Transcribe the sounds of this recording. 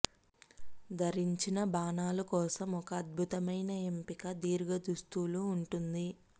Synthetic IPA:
d̪ʱɐɾiɲt͡ʃinɐbaːnaːlukɔːsɐmɔkɐːd̪̚bʱut̪ɐmɐjnɐempikɐd̪iːɾɡɐd̪ust̪uluːɳʈund̪i

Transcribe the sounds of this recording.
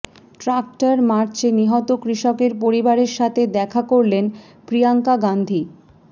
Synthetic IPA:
ʈɾak̚ʈaɾmaɾt͡ɕeniɦɔt̪okɾiʃɔkeɾpoɾibaɾeɾʃat̪ʰed̪ɛkʰakoɾlen | pɾiaŋkaɡand̪ʱi

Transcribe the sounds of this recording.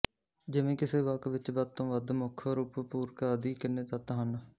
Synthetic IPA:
d͡ʒɪʋẽːkɪseːʋəkʋɪt͡ʃbəd̪̚t̪õːʋəd̪mʊkʰəɾuːppuːɾkaːd̪iːkɪnːẽːt̪ət̪ɦən

